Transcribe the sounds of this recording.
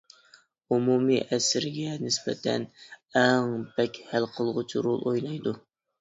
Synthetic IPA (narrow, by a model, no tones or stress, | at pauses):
umumiʔɛsɾɪɡʲɛnɪsbɛt̪ʰɛ̰nɛŋb̥ɛkʲhælqʰəlˠʁʊt͡ʃʰiɾolˠojlˠɑjd̪u